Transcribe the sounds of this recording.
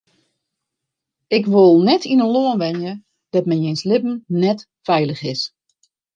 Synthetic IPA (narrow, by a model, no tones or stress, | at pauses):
ɪkʋolˠnɛtʰinəloənʋɛnjə | d̥ɔt̚mɛjnjenslɪpn̩nɛt | fɛjləxɪs